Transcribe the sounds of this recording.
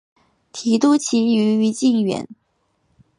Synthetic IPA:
t̪ʰi˧˥t̪u˥˩t͡ɕʰi˧˥y˧˥y˧˥t͡ɕi˥˩nɥɛ̰˨˧˥n

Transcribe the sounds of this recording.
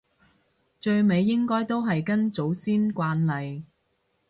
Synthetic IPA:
t͡ʃɵ˧ɥme˨˧jːɪ˥ŋkɔː˥jt̪o˥wɦɐ˨jkɐ˥nt͡so˨˥wsiː˥nkʷaː˧nlɐ˨j

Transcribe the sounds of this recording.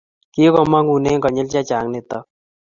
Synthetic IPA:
ki˦kɔma˦ŋu˨ne˦kɔ˨ɲe˦lt͡ʃa˦t͡ʃaː˨˦ŋnet̪a˨

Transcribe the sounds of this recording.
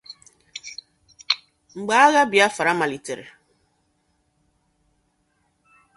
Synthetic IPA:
ŋ͡m̩˨ɡ͡ba˨˦a˦ɣa˦bja˦fa˨ɾa˦ma˨li˨te˨ɾe˨

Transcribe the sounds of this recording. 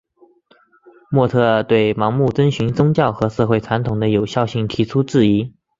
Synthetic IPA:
mwɔ˥˧t̪ʰɤ˥˧t̪we˥˩ɪmɑ˧˥ŋmu˥˩t͡sə˥nɕy˧˥nt͡sʊ˥ŋt͡ɕjɑ˥˩ʊxɤ˧˥ʂɤ˥˧xwe˥˩ɪt͡sʰwa˧˥nt̪ʰʊ˨˩ŋd̪ə˦jo˨˩ʊɕjɑ˥˧ʊɕi˥˩ŋt̪ʰi˧˥ʈ͡ʂʰu˥ʈ͡ʂɻ̩˥˩i˧˥

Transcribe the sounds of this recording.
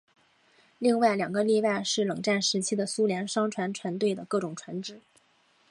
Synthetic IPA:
li˥˧ŋwa˥˩ɪljɑ˨˩ŋɡə˧˦li˥˧wa˥˧ɪʂɻ̩˥˩lɤ˨˩ŋʈ͡ʂa˥˩nʂɻ̩˧˥t͡ɕʰi˥d̪ə˨su˥ljɛ˧˥nʂɑ˥ŋʈ͡ʂʰwa˧˥nʈ͡ʂʰwa˧˥nt̪we˥˩ɪd̪ə˩kɤ˥˩ʈ͡ʂʊ˨˩ŋʈ͡ʂʰwa˧˥nʈ͡ʂɻ̩˨˩˦

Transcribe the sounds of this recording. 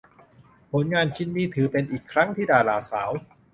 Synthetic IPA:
pʰo˩˦nŋaː˧nt͡ɕʰi˧˥nːiː˦˥t̪ʰɯː˩˦pe˧nʔiː˨˩kʰːɾa˦˥ŋt̪ʰiː˥˩daː˧laː˧˩saː˩˦w

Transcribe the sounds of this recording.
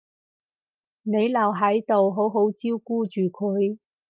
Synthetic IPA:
ne˨˧jlɐ˨˩wɦɐ˨˥jt̪o˨wɦo˨˥wɦo˨˥wt͡siː˥wkuː˥t͡ʃyː˨˩kʰɵ˨˧j

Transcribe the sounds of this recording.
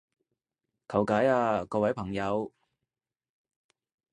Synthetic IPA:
kʰɐ˨˩wkaː˨˥jaː˧kɔː˧wɐ˨˥jpʰɐ˨˩ŋjɐ˨˧w

